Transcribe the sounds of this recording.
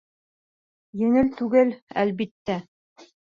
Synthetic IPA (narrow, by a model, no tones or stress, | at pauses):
jɵ̆ŋɘlt̪ʉɡɘlæ̰lβit̪ːæ